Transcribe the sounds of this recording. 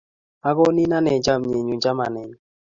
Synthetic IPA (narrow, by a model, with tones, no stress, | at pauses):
a˦ɡɔ˦ni˦na˦nɛ˨d͡ʒa˦˨mɲe˨ɲu˨d͡ʒa˦ma˨nɛ˨ɲ